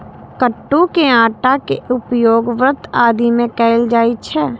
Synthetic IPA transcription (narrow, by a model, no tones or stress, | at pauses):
kəʈːukeãːʈakeʔʊpjoːɡʋɾət̪aːd̪imẽkɛːɪld͡ʒaːit͡ʃʰɛː